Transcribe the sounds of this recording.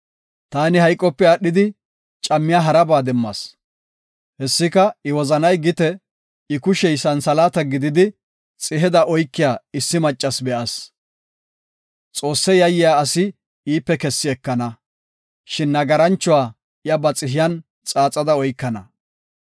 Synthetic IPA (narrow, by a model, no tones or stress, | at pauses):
t̪aːnɪhɐjkʼːɔpːɛɐɗːɪd̪ɪ | t͡ʃʼɐmːɪjaːɦɐɾɐbaːd̪ɛmːɐ̰s | hɛsːɪkɐɪwɔzɐnɐjɡɪt̪ɛ | ɪkʊʃɛjsɐnsɐlaːt̪ɐɡɪd̪ɪd̪ɪ | t͡sʼɪɦɛd̪ɐʔɔjkːɪjaːɪsːɪmɐt͡ʃʼːɐsbɛʔɐs | t͡sʼo̞ːsːɛjɐjːɪjaːɐsɪ | iːpːɛkɛsːɪɛkːɐnɐ | ʃɪnːɐɡɐɾɐnt͡ʃːɔwaː | jɐbɐt͡sʼɪɦɪjɐn | t͡sʼaːt͡sʼɐd̪ɐɔjkːɐnɐ